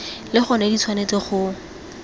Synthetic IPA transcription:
lɪχɔnedit͡sʰwanet͡sɪχʊ

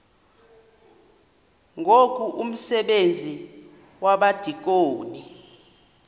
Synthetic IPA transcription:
ŋʱokʼuʔum̩sɛɓend͡zʱi | waɓad̥ʱik̬ʼoːni

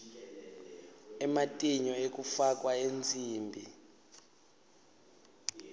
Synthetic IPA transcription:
ɛmatʼiɲɔek̬ʼufak̬ʼwaend͡zʱʼiːmbʱi

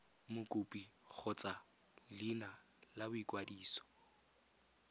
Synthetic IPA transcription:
mʊkʼupʼik͡xʰɔt͡sʼa | lɪna | labʊikʼwadiːsɔ̥

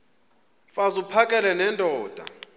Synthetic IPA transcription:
fazupʰakʼɛlɛnɛndʱʼɔːd̥ʱa̰

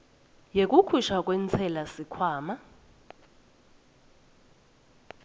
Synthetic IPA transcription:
jek̬ʼukʰuʃak̬ʼwɛnt͡sʰɛlasikʰwaːma

